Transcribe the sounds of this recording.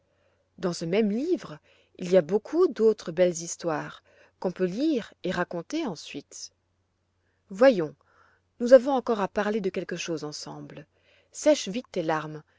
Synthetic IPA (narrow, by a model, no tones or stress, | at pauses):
d̪ɑ̃səmɛmlivʁ | iliabokʰud̪ot̪χəbɛlzist̪waːʁ | kɔ̃pøliʁeʁakɔ̃t̪eɑ̃sɥit̪ | vwajɔ̃ | nuzavɔ̃ɑ̃kɔʁapaʁled̪əkʲɛlkəʃozɑ̃sɑ̃bl | sɛʃvit̪ːelaʁm